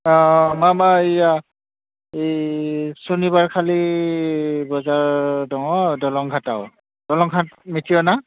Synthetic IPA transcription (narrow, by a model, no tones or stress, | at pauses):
ɔ̃mamaija | e | sonibaɹkʰali | bɔzaɹdɔŋɔdɔlɔŋɡʱataʊ | d̥ɔlɔŋɡʱatmitʰiɔna